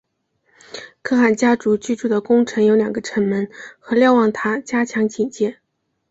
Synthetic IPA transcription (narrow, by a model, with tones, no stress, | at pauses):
kʰɤ˥˩xa˨˩nt͡ɕja˥ʈ͡ʂu˧˥t͡ɕy˥˧ʈ͡ʂu˥˩d̪ə˩kʊ˥ŋʈ͡ʂʰɤ˧˥ŋjo˧˥ʊljɑ˨˩ŋɡə˧˦ʈ͡ʂʰə˧˥nmə˧˥nxɤ˧˥ljɑ˥˧ʊwɑ˥˩ŋt̪ʰa˥t͡ɕja˥t͡ɕʰjɑ˧˥ŋt͡ɕi˨˩nt͡ɕjɛ˥˩